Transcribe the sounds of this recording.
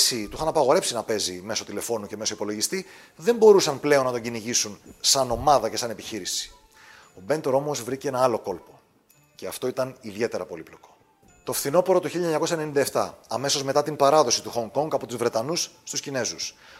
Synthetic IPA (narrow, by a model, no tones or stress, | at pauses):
sit̪uxɐnɐpɐɣo̞ɾe̞psinɐpe̞zime̞so̞t̪ile̞fo̞nuce̞me̞so̞ipo̞lo̞ʝist̪i | ðe̞mbo̞ɾusɐnple̞o̞nːɐt̪oɲɟiniʝisunsɐno̞mɐðɐce̞sɐne̞piçiɾisi̥ | o̞be̞nt̪o̞ɾo̞mo̞zvɾiceenɐɐlo̞ko̞lpo̞ | ce̞ɐft̪o̞it̪ɐniðie̞t̪e̞ɾɐpo̞liplo̞ko̞̥ | t̪ofθino̞po̞ɾo̞t̪uçiʎːiɲɐɲɐkos̬ɐenenind̪ɐeft̪ɐɐme̞so̞zme̞t̪ɐt̪impɐɾɐðo̞sit̪uxo̞ŋko̞ŋɡɐpo̞t̪uzvɾe̞t̪ɐnusst̪uscine̞zus